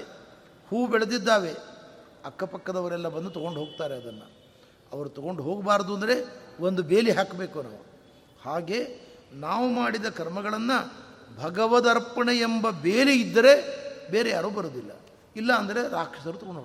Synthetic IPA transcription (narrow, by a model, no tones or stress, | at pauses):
huːbɛɭed̪id̪ːaːʋe̞ | ɐkːɐpɐkːɐd̪ɐʋɐɾɛlːɐbɐnd̪ut̪ɔɡo̞ɳɖuɦoːɡ̚t̪aːɾeɐd̪ɐnːɐ̰ | ɐʋɐɾut̪ɔɡo̞ɳɖuɦo̞ːɡbaːɾɐd̪uɐnd̪ɐɾe̞ʋond̪ube̞ːliɦaːkbe̞ːkuna̰ːʋu | haːɡe̞ː | naːʋumaːɽid̪ɐkɐɾmɐɡɐɭɐnːɐbʱɐɡɐʋɐd̪ɐɾpɐɳeembɐbeːliːd̪ːɐɾe̞be̞ːɾejaːɾuːbɐɾoːd̪ilːɐ̰ | ilːɐːnd̪ɐɾe̞ɾaːkʂɐsɐɾut̪ɔɡoɳɖo